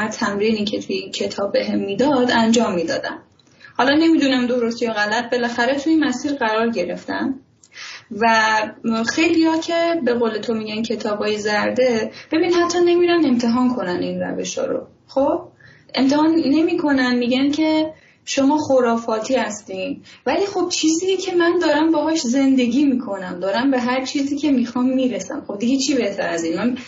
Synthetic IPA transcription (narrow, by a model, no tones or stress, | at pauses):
æɾt̪ʰæmɾiːniːcʰe̞t̪ʰujicʰe̞t̪ʰɒːbːeɦemːiːd̪ɒd̪ænd͡ʒɒːmːiːd̪ɒːd̪æ̰n | hɒːlɒne̞miːd̪unæmd̪o̞ɾo̞st̪ijoɣælæt̪̚be̞læxæɾe̞t̪ʰuinmæsiːɾɣæɾɒːɾɟe̞ɾe̞ft̪æ̰n | væ | xejliːjɒːcʰe̞be̞ɣoːle̞t̪ʰomiːɟæncʰe̞t̪ʰɒːbɒːjezæɾd̪e̞b̥e̞binhæt̪ʰːɒːne̞miːɾæne̞mt̪ʰe̞ɦɒːnkʰo̞næninræ̰ve̞ʃhɒ̰ːɾo̞̰ | χob̥̚ | ʔe̞mt̪ʰehɒːnːe̞miːkʰo̞nænmiːɟæncʰe̞ | ʃo̞mɒːxoɾɒːfɒːt̪ʰiːhæst̪iːnvæliːxo̞b̥̚t͡ʃʰiːziːjecʲʰe̞mænd̪ɒːɾæmbɒɦɒːʃze̞nd̪e̞ɡiːmiːkʰo̞næmd̪ɒːɾæmbe̞ɦæɾt͡ʃʰiːziːcʲʰe̞mixɒːmːiːɾesæ̰mχo̞b̚d̪iɡet͡ʃʰibe̞ht̪ʰæɾæzinman